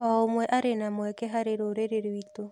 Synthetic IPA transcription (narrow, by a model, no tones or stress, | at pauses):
ɔomwɛʔaɾenamwɛkɛɦaɾeɾoɾeɾeɾwito